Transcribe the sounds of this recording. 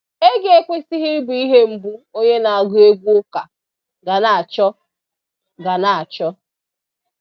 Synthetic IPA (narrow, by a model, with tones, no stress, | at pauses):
e˦ɡe˦kʷe˦si˦ɦi˦bu˨i˦ɦe˦m̩˨bu˦o˦ɲe˦na˨a˨ɡʊ˦e˦ɡʷu˦ʊ˦ka˨ | ɡa˨na˨a˨t͡ʃɔ˦ | ɡa˨na˨a˨t͡ʃɔ˦